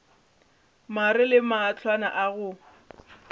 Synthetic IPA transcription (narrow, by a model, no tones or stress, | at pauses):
marɪlɪmaːt͡ɬʰwana̰ʔaɣʊ